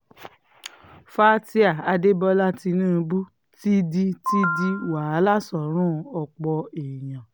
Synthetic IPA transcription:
fa˦ti˦a˨a˧de˦bɔ˧la˦ti˧nũː˦˧bu˦ | ti˦di˧ti˦di˦wa˨˦la˦sɔ˨ɾ̃ũ˦ɔ˧k͡pɔ˧e˨jã˨

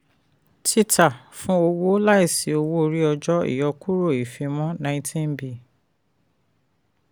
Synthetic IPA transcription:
tʰi˦tʰa˨fũ˦o˧wo˦la˦i˦˨si˨o˧wo˦˧ɾi˦ɔ˧d͡ʒɔ˦ḭ˦˨jɔ˧ku˦ɾo˦˨i˨fe˧mɔ̃˦nã˧ĩ˦˧tʰĩ˦n˦bi˨

